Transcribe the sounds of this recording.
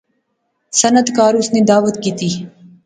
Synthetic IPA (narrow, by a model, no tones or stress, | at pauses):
sənət̪kaːɾʊsneːd̪aːʋət̪kiːt̪iː